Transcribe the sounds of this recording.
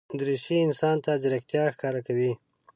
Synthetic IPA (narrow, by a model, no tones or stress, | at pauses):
d̪ɾiʃiɪnsɑnt̪ad͡ʒɾakt̪jɑxkɑɾakawi